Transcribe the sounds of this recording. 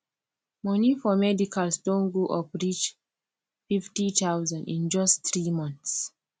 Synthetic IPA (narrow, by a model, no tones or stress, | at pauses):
mɔnifɔmɛdikʰalsdõnɡoʔɔpɹit͡ʃ | fiftit̪awzãndḭ̃nd͡ʒɔstɹimɔ̃nθs